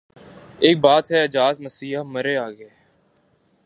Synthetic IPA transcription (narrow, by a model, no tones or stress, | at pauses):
eːk̚baːt̪ɦɛəd͡ʒaːzməsiːəməɾeaːɡeː